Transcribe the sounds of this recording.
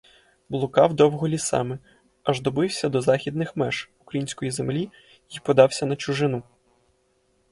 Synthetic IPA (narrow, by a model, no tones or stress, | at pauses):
blˠʊkɑwd̪ɔwɦɔlʲisɑ̰mɛ | ɐʒd̪ɔbɪwsʲɐd̪ɔzɑxʲid̪nɪxmɛʃukɾɐjinʲsʲkɔjizemlʲi | ipɔd̪ɑwsʲɐnɐt͡ʃʊʒɪn̪u